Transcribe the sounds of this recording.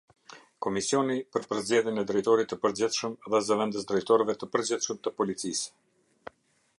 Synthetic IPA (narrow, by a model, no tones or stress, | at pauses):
kɔmisiɔnipəɾpəɾzd͡ʑɛðjɛnɛd̪ɾɛjt̪ɔɾit̪ːəpəɾd͡ʑɪθʃəmðɛzəvɛnd̪əs̬d̪ɾɛjt̪ɔɾvɛt̪əpəɾd͡ʑɪθʃəmt̪əpɔlit̪t͡sis